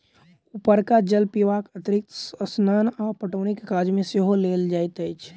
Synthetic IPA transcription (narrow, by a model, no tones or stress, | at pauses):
upəɾkad͡ʒəlpiʋaːkət̪ɾɪk̚t̪snəːnaːpəʈoːnikːaːd͡ʒmẽseɦoleːld͡ʒaːjt̪əjt͡ʃʰ